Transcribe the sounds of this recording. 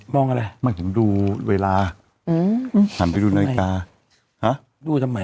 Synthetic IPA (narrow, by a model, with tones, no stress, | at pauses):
mɔː˧˩ŋʔa˧ɾa˧jma˧˥˩t̪ʰɯ˩˦mduː˧weː˧laː˧ | ɯː˧˩hʰaː˨˦npa˧jduː˧naː˧kaː˧ | ha˦˥ | duː˧sʰa˧ma˨˦